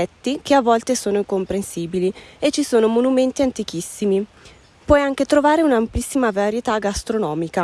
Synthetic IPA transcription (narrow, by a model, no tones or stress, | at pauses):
ɛt̪ːikeavːɔlt̪esoːnoiŋkompɾensiːbiliet͡ʃːisoːnomonument̪iant̪ik̟isːimi | pwɔjaŋket̪ɾovaːɾeunamplisːimavaɾjet̪aɡast̪ɾonɔːmika